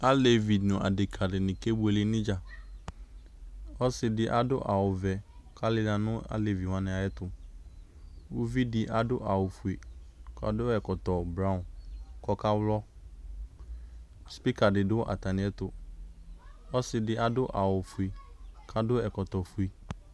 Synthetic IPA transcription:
a˦le˨vi˨dnʊ̃˨ʔa̰˨dɪ˨kʰa˨dɪ˨nɪ̃˨ke˦bʊ˦e˨lɪ˦nɪ̃˦d͡ʒa˨ | ɔ˦sɪ˨dɪ˦ʔa˦dʊ̰˦ʔa˨wʊ˨vɛ˨kʰa˦lɪ˦na˨nʊ̃˦a̰˦le˨vi˨wã˦nɪ̃˨a˨jɛ˦t̪ʊ˨ | wʊ˦vi˦dɪ˦ʔa˨dʊ˦ʔa˨wʊ˨fʊ˨e˨ka̰˨dʊ˦ɛ˨kɔ˨t̪ɔ˨bɾa˦ʊ̃˨nkɔ˦ka˦wlɔ˦ | spi˦ka˨dɪ˨dʊ˦ʔa̰˨t̪a˨nɪ̃˨˦ɛ˦t̪ʊ˨ | ɔ˦sɪ˨dɪ˦ʔa˨dʊ˦ʔa˨wʊ˨fʊ˨e˨kʰa˦dʊ˦ɛ˨kɔ˨t̪ɔ˨fu˨i˨

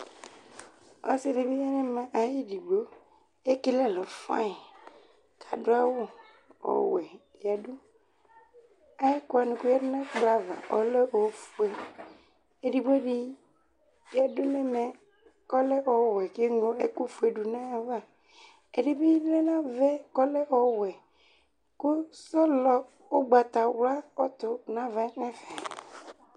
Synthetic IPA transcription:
ɔ̰˦se˦ɖe˨bi˦ɲa˦nẽ˦mã˨ʔa˨ji˦ɖi˨ɡ͡bo˦ | e˦ke˦le˦˨lɔ˨fã̰˦e˨ | kʰa˨ɖo˦a˦wo˦ | ɔ̰˨wɛ˨ | i˨a˨ɖu˦ | a˦ji˦ku˦a˨nũ˨ku˦ja˦de˦nã˦k͡pla˨va̰˨ʔɔ̰˨le˦o˨fu˨e˨ | e˨ɖi˨ɡ͡bo˦ɖi˦ | i˨a˨dʊ˦nɛ˦mɛ˨ | kɔ˦lɛ˦ʔɔ˨wɛ˨ke˦ŋo˨e˨ku˦fu˨˦e˨ɖu˨nã˦a˨va˦˨ | e˨ɖi˦be˦lɛ˦nã˦vɛ˦kɔ˦lɛ˦ʔɔ˨wɛ˨ | ko˦sɔ˦lɔ˨ | o˦ɡ͡ba˨t̪a˨wla˦ɔ˦t̪ʊ˨nã˦va˨˦nɛ̃˦fɛ˨

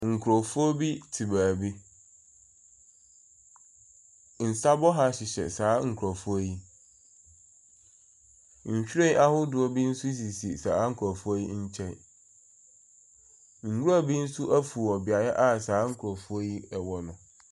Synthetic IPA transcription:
ŋ̩˨kʰɾo˨fu˦ɔ˦bi˦tʰɪ˨baː˨bi˦ | n̩˨sa˦bɔ˦ɦa˦ɕɪ˨ɕɛ̰˨saː˨˦ŋ̩˨kʰɾa˨fu˦a˦ji˦ | ɲ̩˨ɕᶣi˦e˦ʔa˦hʊ˦dʊ˨ɔ˦bi˦n̩˦sʊ˦s̬i˨si˨saː˨˦ŋ̩˦˨kʰu˨a˨fʊ˦a˦ji˦ɲ̩˦t͡ɕʰɛ̃˦˨n | ŋ̩˨hu˦ɾa˦˨bi˦n̩˦sʊ˦ʔa˦fu˨ɔ˨bɪ˨a˨jɛ˦ʔa˦˨saː˨˦ŋ̩˨kʰɾɔ˨fʊ˦a˦ji˦ɛ˨wɔ˨nʊ̃˨

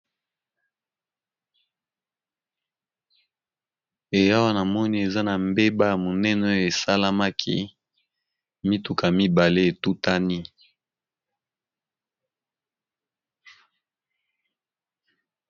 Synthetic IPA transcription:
e˨ja˦wa˦na˨mɔ˦ni˦e˨za˦na˨mbe˦ba˦ja˨mo˨nɛ˦n˨o˦jo˨e˨sa˦la˦ma˦kʰḭ˦ | mi˦tu˨ka˨mi˦ba˨le˦e˨tu˦ta˦ni˦

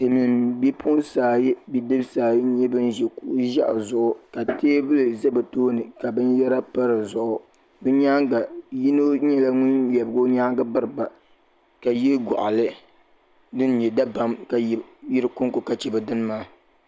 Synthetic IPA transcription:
tɨ˨mi˨mbɛ˦pʰu˦nsaː˨ji˦bi˦dɨ˦bsaː˨ji˦ɲɛ˦bɨ˦nʒɛ˨ku˦ʔʒa˦ʔzʊ˦ʔʊ˦ka˨teː˦bɨ˦lɨ˨zɛ˦bɨ˨toː˦nɨ˨ka˨bɨ˦njɛ˦ɾa˦pa˦ɾɨ˨zʊ˨ʔʊ˨ | bɨ˦ɲaː˦ŋɡa˨ji˦no˦ɲɛ˦la˦ŋʊ˦njɛ˨bɨ˨ɡo˦ɲaː˦ŋɡa˦bɨ˦ɾɨ˨ba˨ | ka˨je˦ɡɔ̰˨ʔa˨lɨ˦ | dɨ˦n˦ɲɛ˨da˦ba˦mka˨ji˦ɾɨ˦kʊ˦ŋkʊ˨ka˨t͡ʃɛ˨bɨ˨dɨ˦n˦maː˦

